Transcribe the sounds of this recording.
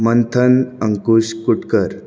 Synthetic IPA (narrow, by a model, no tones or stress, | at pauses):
mənt̪ʰənəŋkuɕkuʈkəɾ